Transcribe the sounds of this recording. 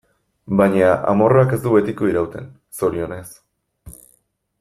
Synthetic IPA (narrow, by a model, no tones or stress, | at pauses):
bajɲaʔa̰mo̞rake̞zd̪uβe̞t̪iko̞iɾawt̪e̞̰n | so̞ɾio̞ne̞s